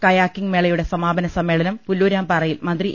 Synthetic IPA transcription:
kɐjaːkːiŋmeɭɐjuɽe̞sɐmaːbɐnɐsɐmːe̞ːɭɐnɐmpulːuːɾaːmpɐrɐjilmɐnd̪ri

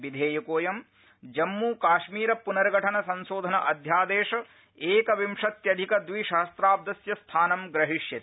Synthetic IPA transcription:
ʋid̪ʱeːjɐkoːjɐm | d͡ʒɐmːuːkaːʃmiːɾɐpunɐɾɡʱɐʈʰɐnɐsɐnsoːd̪ʱɐnɐʔɐd̪ʱjaːd̪eːʂɐ | eːkɐʋimʂɐt̪jɐd̪ʱikɐd̪ʋiʃɐɦɐst̪ɾaːb̚d̪ɐsjɐst̪ʰaːnɐmɡɾɐɦiʂjɐt̪

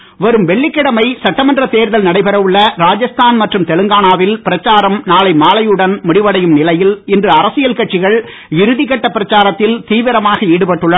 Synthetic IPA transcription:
ʋɐɾɯmʋɛɭːɪkːɪɽɐmɐɪsɐʈːɐmɐndrɐt̪eːɾðɐlnɐɽɐɪpɐɾɐʋɯɭːɐɾaːd͡ʒɐst̪aːnmɐʈrɯmt̪ɛlɯŋɡaːnaːʋɪlpɪɾɐt͡ʃːaːɾɐmnaːlɐɪmaːlɐjɯɽɐnmʊɽɪʋɐɽɐjɯmnɪlɐjɪlɪndrɯɐɾɐsɪjɐlkɐʈt͡ʃːɪɣɐɭ | ɪɾɯðɪkɐʈːɐpːɪɾɐt͡ʃːaːɾɐt̪ːɪlt̪iːʋɪɾɐmaːɣɐeːɽɯpɐʈːɯɭːɐ

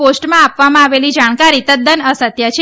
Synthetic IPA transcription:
osʈmãapʋamãaʋelid͡ʒaɽ̃kaɾit̪əd̪ənəsət̪jat͡ʃʰe

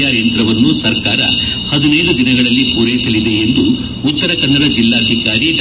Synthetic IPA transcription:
jaːɾjɐnt̪ɾɐʋɐnːusɐɾkaːɾɐ̰ | hɐd̪unɛːɾud̪inɐɡɐɭɐlːipuːɾɐjisɐlid̪e̞end̪u | ut̪ːɐɾɐkɐnːɐɾɐd͡ʒilːaːd̪ʱikaːɾiɖ

